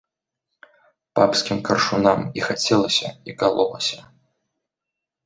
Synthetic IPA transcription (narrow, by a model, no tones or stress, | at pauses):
papskʲimkɐrʂunamixat͡sʲɛlˠɐsʲɐikalˠɔlˠɐ̰sʲɐ